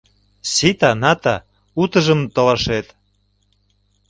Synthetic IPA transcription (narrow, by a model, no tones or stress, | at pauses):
sit̪ɑnɑt̪ɑ | ut̪ə̆ʒə̆mt̪olɑʃet̪